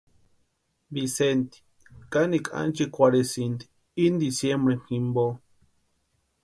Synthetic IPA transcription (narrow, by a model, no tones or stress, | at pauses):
bisent̪i̥ | kanikʰʼa̰nt͡ʃikʷaɾesind̪i̥ | ind̪isjembɾehimbo